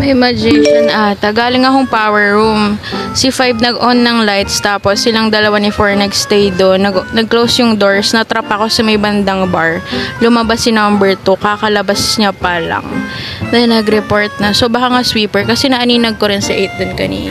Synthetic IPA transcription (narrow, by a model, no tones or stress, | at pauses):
ɛmɐd͡ʒɛʃɐnaːt̪ɐɡaːlɪŋɐkoŋpaːwɛɹɹumsɪfajbnɐɡʔonːɐŋlajt̪st̪aːposːɪlaŋd̪ɐlɐwanɪfoɹnɛksd̪ejd̪onːɐɡnɐɡ̚klowsjʊŋd̪o̞ɹsnɐt̪ɾɐpɐko̞sɐmɐjbɐnd̪ɐŋbaɹlʊmɐbasɪnɐmbɛɹt̪ukakɐlɐbasɲapɐlɐ̰ŋ | nɐnɐɡɾɛpo̞ɹt̪̚nɐsobɐkaŋaswiːpɛɹkɐsɛnɐʔɐniːnɐɡ̚ko̞ɾɪnsɐʔejt̪̚d̪onkɐnḭːn